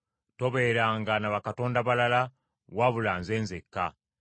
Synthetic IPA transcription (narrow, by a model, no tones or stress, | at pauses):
to̞βe̞ɾaŋɡanaβakato̞ːndaβalala | waβulaːnzeːnzekːa̰